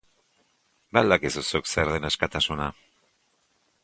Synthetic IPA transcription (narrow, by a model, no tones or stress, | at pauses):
bald̪akesosokseɾðeneskat̪asuna